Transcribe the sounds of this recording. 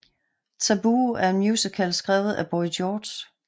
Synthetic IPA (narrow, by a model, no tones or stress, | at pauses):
t͡sʰæb̥uːæɐe̝nmjuːsikʰælsɡ̥ʁaːʊð̩ˠæb̥ɒid̥ɔːd̥s